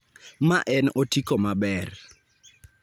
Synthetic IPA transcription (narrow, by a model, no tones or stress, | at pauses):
maʔɛnotikomabɛr